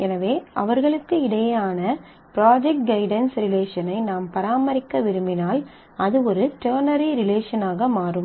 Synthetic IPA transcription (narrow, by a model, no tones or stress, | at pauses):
ɛnɐʋeːʔɐ̰ʋɐɾɣɐɭɯkːɯɪɽɐjaːnɐ | pɪɾaːd͡ʒɛk̚ʈ̚ɡɐɪɖɐnsɾɪleːʂɐnɐɪnaːmpɐɾaːmɐɾɪkːɐʋɪɾɯmbɪnaːl | ɐðɯɔɾɯʈɐːɾnɐɾiɾɪleːʂɐnaːɣɐmaːrɯm